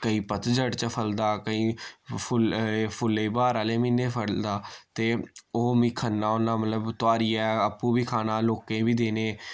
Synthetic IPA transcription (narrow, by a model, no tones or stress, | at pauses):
kəiːpət̪d͡ʒəɽt͡ʃəpʰəld̪aːkəĩːpʰʊpʰʊlːeiːbaːɾaːleːmĩːneːpʰəɽd̪aːt̪eːoːmĩːkʰənːaːonːãːmət̪ləbt̪ʊaːɾiːɛːəpːũːbiːkʰaːnaːloːkẽːbiːd̪eːnẽː